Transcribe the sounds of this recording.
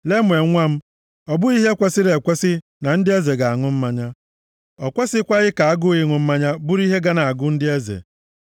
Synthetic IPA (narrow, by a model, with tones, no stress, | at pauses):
le˦mʷ˨e˨˦ŋʷa˦m̩˦ | ɔ˨bʊ˦i˦ɦe˦kʷe˦sɪ˦ɾe˨kʷe˦sɪ˦ | na˨n̩˦dɪ˦e˦ze˨ɡa˨a˨ŋʊ˦m̩˦ma˦ɲa˦ | ɔ˨kʷe˦sɪ˦kʷa˦ɣɪ˦ka˨a˦ɡʊ˦i˦ŋʊ˨m̩˦ma˦ɲa˦bʊ˦ɾi˦ɦe˦ɡa˦na˨a˨ɡʊ˦n̩˦dɪ˦e˦zḛ˨